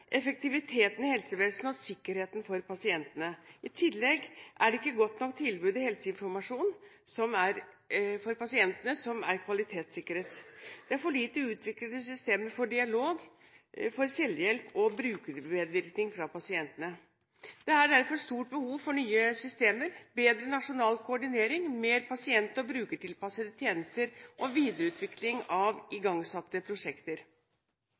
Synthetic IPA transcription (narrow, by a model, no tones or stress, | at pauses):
ʔɛfək̚t̪ɪʋɪt̪ʰeːt̪ən̩ɪhɛlsəʋeːlsn̩ɔsɪkːəɾheːt̪ən̩fɔɾpɑsɪɛnt̪ənəʔɪt̪ʰɪlːɛɡʔæɖɛɪkːəɡɔt̪nɔkːt̪ʰɪlbʉːd̪ɪhɛlsəɪnfɔɾmɑʂuːnsɔmæɾ | fɔɾpɑsɪɛnt̪ənəsɔmæ̰ɾkʰʋɑlɪt̪ʰeːt̪sɪkːəɾət̪d̪̥ɛæɾfɔɭiːt̪əʉːt̪ʰʋɪkləd̪əsʏst̪eːməɾfɔɖɪɑloːɡ | fɔɾsɛlːjɛlpʰɔbɾʉːkəɾmeːd̪ʋɪɾknɪŋfɾɑpɑsɪɛnt̪ənə | d̪̥ɛæɖæɾfɔɾʂt̪uːʈ̚bəhuːʋfɔɳyːəsʏst̪eːməɾbeːd̪ɾənɑʂʊnɑːlkʰʊɔɖɪneːɾɪŋmeːɾpɑsɪɛnt̪ɔbɾʉːkəʈɪlpɑsəd̪ət̪ʰjeːnəst̪əɾʔɔʋiːd̪əɾəʉːt̪ʰʋɪklɪŋɑʋɪɡɑŋsɑt̪ːəpʰɾʊʂɛkt̪əɾ